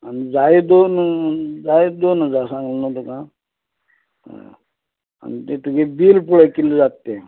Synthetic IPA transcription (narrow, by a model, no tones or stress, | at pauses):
anid͡zajed̪ond͡zajed̪ond͡zasãŋɡlənət̪okã | a̰nit̪et̪uɡebilpuɭekilːud͡zat̪ːe